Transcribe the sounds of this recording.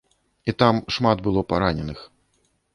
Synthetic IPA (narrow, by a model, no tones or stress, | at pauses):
it̪amʂmad̪bɨlˠɔpaɾanʲɛnɨx